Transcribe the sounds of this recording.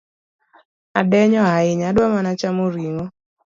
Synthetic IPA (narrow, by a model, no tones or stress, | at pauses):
adɛɲɔaɪɲadwamanat͡ʃamoɾiŋɔ